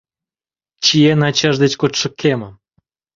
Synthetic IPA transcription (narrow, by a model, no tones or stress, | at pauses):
t͡ɕijenɑt͡ɕɑʐd̪et͡ɕkot̪ʃɨ̆kʰːemə